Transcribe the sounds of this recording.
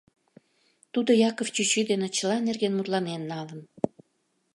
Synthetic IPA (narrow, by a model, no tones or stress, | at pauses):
t̪ud̪ojɑkoft͡ɕyt͡ɕid̪enet͡ɕəlɑnerɣenmut̪lɑnenːɑlən